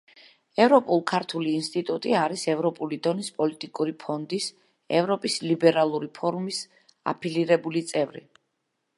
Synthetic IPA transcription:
ɛvɾɔpʼulˠkʰaɾt̪ʰuliːnst̪ʼit̪ʼut̪ʼiaɾisɛvɾɔpʼulid̪ɔnispʼɔlit̪ʼikʼuɾipʰɔnd̪is | ɛvɾɔpʼislibɛɾalˠuɾipʰɔɾumis | a̰pʰiliɾɛbulit̪sʼɛvɾḭ

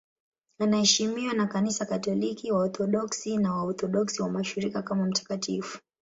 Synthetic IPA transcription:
anahɛʃimiwanakanisakatɔlikiwaɔθɔɗɔksinawaɔθɔɗɔksiwamaʃiɾikakamam̩tḁkatifu̥

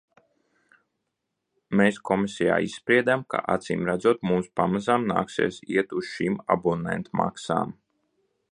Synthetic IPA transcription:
meːskɔmisija̰ːisspɾiɛd̪amka̰ʔa̰t̪siːmɾad̪zuɔt̪mumspamazamna̰ːksḛɛːsiɛt̪usʃiːma̰bunɛ̰nt̪mʔa̰ksa̰ːm

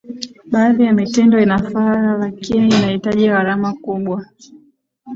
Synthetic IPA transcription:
ɓaːðijamitɛndɔinafaalakiniinahitaʄiɣaɾamakuɓwa

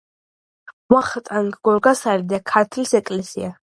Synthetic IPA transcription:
waχt̪ʼaŋɡɡɔɾɡasaɾid̪akʰaɾt̪ʰlisɛkʼlɛsḭa

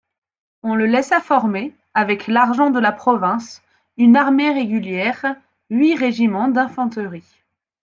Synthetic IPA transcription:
ɔ̃ləlɛsafɔʁme | avɛkʰlaʁʒɑ̃d̪əlapχɔvɛ̃s | ynaʁmeʁeɡʲyljɛʁ | ɥiʁeʒimɑ̃d̪ɛ̃fɑ̃t̪əʁi

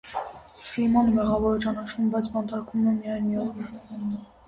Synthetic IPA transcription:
flimɑnmɛʁɑvɔɾt͡ʃɑnɑt͡ʃʰuməbɑjt͡sʰbɑnt̪ɑɾkʰumɛmijɑjnijɔʁ

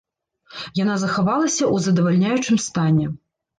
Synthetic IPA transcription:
janazɐxavalˠɐsʲɐʔuzɐd̪ɐvalʲnʲajut͡ʂɨmst̪anʲɛ

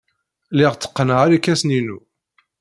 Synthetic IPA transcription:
lɪʁt͡sːə̥qːənʁaɾikːæsninu

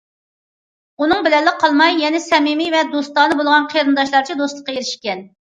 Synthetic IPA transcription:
unɨŋbɪlɛlːɪqʰɑlˠmɑjːɛnɪsɛmimivɛd̪ost̪ɑːnɨbolˠʁɑnqʰeɾɨnd̪ɑʃlˠɑɾt͡ʃʰid̪ost̪lˠə̥qːɑjeɾɪʃkʲɛn

